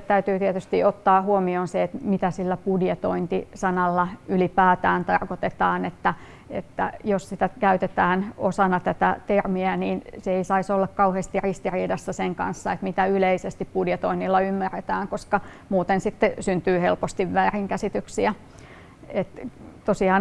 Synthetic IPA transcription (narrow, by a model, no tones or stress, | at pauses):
t̪æyt̪yːt̪iet̪yst̪iot̪ːɑːhuomioːnseet̪mit̪æsilːæpudjet̪oint̪isɑnɑlːɑylipæːt̪æːnt̪ɑrkot̪et̪ɑːnet̪ːæ | ḛt̪ːæ̰jossit̪ækæyt̪et̪æːnosɑnɑt̪æt̪æt̪ermiæniːnseeisɑisolːɑkkɑuheːst̪irist̪iriːdɑsːɑseŋkɑ̰nsːɑet̪mit̪æyleisest̪ippudjet̪oinːilːɑymːæret̪æːŋkoskɑ | muːt̪ensit̪ːesynt̪yːhelpost̪iʋʋæːriŋkæsit̪yksiæ | et̪t̪osiɑːn